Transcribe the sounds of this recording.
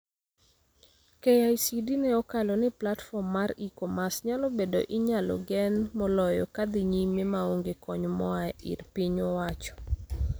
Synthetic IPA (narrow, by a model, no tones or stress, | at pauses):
kejajsidinɛɔkalɔnɪplatfɔmːaɾikɔmasɲalɔbedo̰ʔɪɲalɔ̰ɡɛnmɔlɔjɔ̰kad̪iɲimemaoŋɡekɔɲmɔaḭrpiɲɔwat͡ʃɔ̥